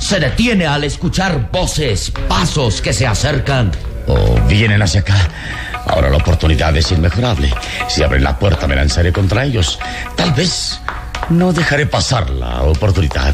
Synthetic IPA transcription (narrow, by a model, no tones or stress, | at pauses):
se̞ðe̞t̪je̞ne̞ale̞skut͡ʃaɾbo̞sespaso̞ske̞se̞aseɾkan | o̰βje̞nenasjaka | a̰oɾa̰laopo̞ɾt̪uniðaðesinme̞xo̞ɾaβle̞̰ | siaβɾḛnla̰pweɾt̪ame̞la̰nsaɾeko̞nt̪ɾae̞ʎo̞s | t̪alβe̞s | no̞ðe̞xaɾe̞pasaɾla̰opo̞ɾt̪uniða̰ð